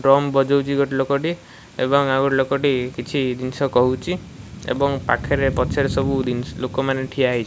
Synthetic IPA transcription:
ɖɾɔmbɔd͡ʒowt͡ʃʰiɡɔʈilokɔʈi | ebɔŋaɡɔʈilokɔʈikit͡ʃʰid̪insɔkɔɦut͡ʃʰi | ḛbɔŋpa̰kʰeɾepɔt͡ʃʰeɾsɔbud̪inlokɔmaneʈʰiaaɦijt͡ʃʰ

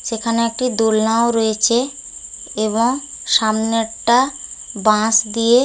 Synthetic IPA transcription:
ʃekʰaneek̚ʈid̪olnaoɾoet͡ɕʰe | eβoŋ | ʃamneʈːabãsd̪ije

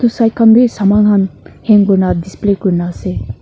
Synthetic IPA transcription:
t̪usajkʰanbʱisamaŋɦanheŋkuɾnad̪isplekuɾnase

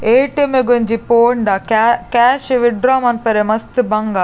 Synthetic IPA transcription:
eːʈemeɡoɲd͡ʒipoːɳɖakkaːʃʋiɖɾaːmɐnpɐɾemɐst̪ɨbɐŋɡa

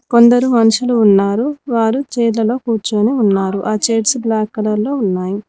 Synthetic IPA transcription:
ko̞nd̪ɐɾumɐnuʂuluːnːaːɾuʋaːɾut͡ʃɛːlɐlo̞ːkuːɾt͡ʃuːniunːaːɾuʔaːt͡ʃeːʈsblaːkːɐlɐɾlo̞ːunːaːji

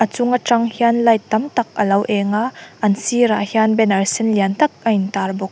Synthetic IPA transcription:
ʔɐt͡sʊŋaʈ͡ʂɐŋhianlɐjt̪ɐmt̪ɐk̚ʔɐlɐwʔɛŋaʔɐnsiɾahianbɛnɐrsɪnliant̪ɐk̚ʔɐjnt̪arbɔk̚

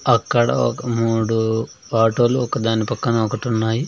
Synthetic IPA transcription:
ɐkːɐɽɐ̰ɔ̰kɐmuːɽu | aːʈoːluɔkɐd̪aːnipɐkːɐnɐɔkɐʈunːaːji

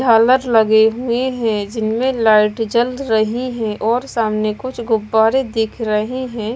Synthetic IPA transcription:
d͡ʒʱaːləɾləɡeɦueɦɛ̃d͡ʒɪnmẽlaːɪʈd͡ʒəld̪ɾəɦiɦɛ̃ʔɔːɾsaːmnekʊt͡ʃʰɡʊbːaːɾed̪eːkʰɾəɦiɦɛ̃ː

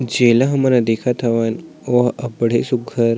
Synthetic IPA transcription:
d͡ʑelaɦmənad̪ekʰat̪ʰaʋan | oɦəpɽesuɡʱəɾ

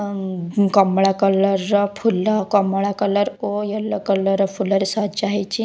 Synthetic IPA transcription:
kəmɭakələɾəfʰulːakəmɭakələɾojəlːəkələɾəfuləɾsad͡ʑaɦet͡ɕi

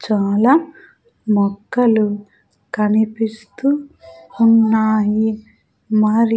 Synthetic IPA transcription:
t͡ʃaːlaː | mɔkːɐlu | kɐnipist̪uunːaːji | maɾi

